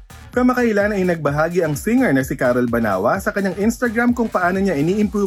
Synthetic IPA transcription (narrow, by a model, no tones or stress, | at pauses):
kɐmɐkɐʔɪlanɐjnɐɡ̚bɐɦaːɡiʔɐŋsɪŋɛɹnɐsɪkaːɾolbɐna̰ːwɐsɐkɐɲːaŋʔɪnst̪ɐɡɾamkʊŋpɐʔaːno̞ɲaʔɪniːʔɪmpu